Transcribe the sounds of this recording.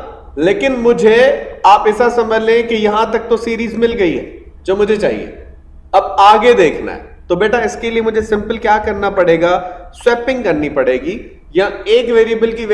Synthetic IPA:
leːkɪnmʊd͡ʒʱeaːpɪsasɐ̃məd͡ʒʱlẽkijɐɦãt̪ɐk̚t̪osiːɾiːzmɪlɡɐiɦɛ̰ː | d͡ʒoːmʊd͡ʒʱet͡ʃaːɦḭḛː | ɐbaːɡed̪eːkʰna̰ɦɛ̰ | t̪obeːʈʰaɪskeliemʊd͡ʒʱesɪ̃mpəlkjaːkɐɾnapɐɽeːɡaswɛːpɪ̃ŋɡkɐɾnipɐɽeːɡi | jaeːkʋeːɾiəbəlki

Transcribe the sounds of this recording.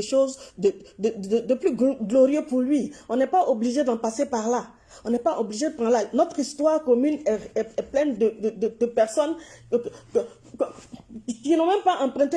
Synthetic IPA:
ɛʃozd̪əd̪əəd̪əplyɡɡloʁijøpuʁlɥiɔ̃nɛpaʔobliʒed̪ãpasepaʁla | ɔ̃nɛpaʔobliʒed̪əpʁɑ̃lanɔt̪χist̪waʁkɔmynɛɛɛplɛ̃nd̪əd̪əd̪əd̪əpɛʁsɔn | k | k | sinɔ̃mɛ̃mpaʔɑ̃pχɛ̃t̪e

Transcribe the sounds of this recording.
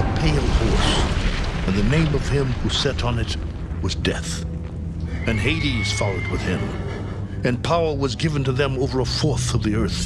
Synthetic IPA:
əpʰeɪlˠhɔɹs | ɨ̃nðɨnẽɪ̃mʌv̥ɪ̃mhusɛɾn̩ɨt̚ | wʌzdɛθ | ɨ̃nɦeɪɾiwʌz̥fɑlˠoʊd̚wɨð̥ɪ̃m | ɨ̃npʰaʊə˞wʌzɡɪvɨ̃n̩tɨðɨ̃moʊvə˞əfɔɹθʌvðiɜ˞θ

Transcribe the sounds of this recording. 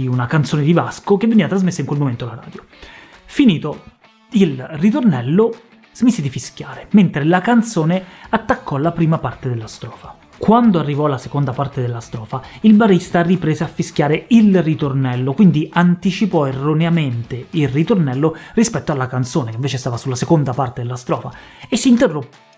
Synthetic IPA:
iunakant̪soːned̪ivaskok̟evːeniːvat̪ɾazmesːaiŋkwelmoment̪oalaɾa̰ːd̪jo | finiːt̪o | ilrit̪̬ornɛlːo | z̥miːsed̪ifiskʲjaːɾement̪ɾelakant̪soːneat̪ːakːɔlːapɾiːmapart̪ed̪elːast̪ɾɔːfa | kwand̪oarːivɔalːasekond̪apart̪ed̪elːast̪ɾɔːfailbarist̪aripɾeːzeafːiskjaːɾeilrit̪ornɛlːokwind̪iant̪it͡ʃipɔerːoneament̪eilrit̪ornɛlːorispɛt̪ːoalːakant̪soːnekeiɱveːt͡ʃest̪aːvasulːasekond̪apaɾt̪ed̪elːast̪ɾɔ̰ːfa | esːiːnt̪erːopː

